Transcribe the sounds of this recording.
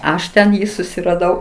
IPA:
ˈɐʃ ˈtʲɛn ˈjiː sʊsʲɪrɐˈdɐʊ

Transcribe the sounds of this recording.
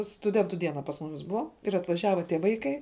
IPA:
stʊˈdʲɛntʊ ˈdʲiɛnɐ pɐs ˈmʊmʲɪs ˈbʊʋɐ ɪr ɐtʋɐˈʒʲæːʋɐ tʲiɛ ˈʋɐɪkɐɪ

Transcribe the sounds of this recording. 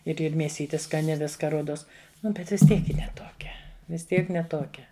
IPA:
ɪr ˈɪr mʲeːˈsʲiːtʲɪ skɐˈnʲɪ ˈʋʲɪskɐ ˈruɔdoːs ˈnʊ ˈbʲɛt ʋʲɪs ˈtʲiɛk ˈjɪ nʲɛ tuɔˈkʲɛ ʋʲɪs ˈtʲiɛk nʲɛ ˈtoːkʲɛ

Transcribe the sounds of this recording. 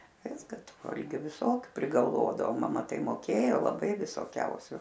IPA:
ˈʋʲɪskɐ ˈtʊ ˈʋɐlʲɡʲʊ ʋʲɪˈsoːkʲʊ pʲrʲɪɡɐlˠˈʋoːdɐʋoː ˈmɑːmɐ tɐɪ moːˈkʲeːjoː lˠɐˈbɐɪ ʋʲɪsoːˈkʲɛʊsʲʊ

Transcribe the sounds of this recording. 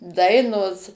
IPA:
ˈdɐɪnoːs

